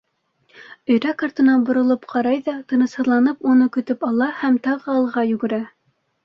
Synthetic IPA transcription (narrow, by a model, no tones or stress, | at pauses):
ɵ̆jɾækaɾt̪ɤ̆nɑnbŏɾŏlˠɤpqʰɑɾɑjðɑt̪ɤ̆nɤ̆shɤ̆ðlˠɑnɤpunɤkɵ̆t̪ɵpɑlˠɑhæmt̪ɑʁɤ̆ɑlˠʁɑjʉɡɘ̆ɾæ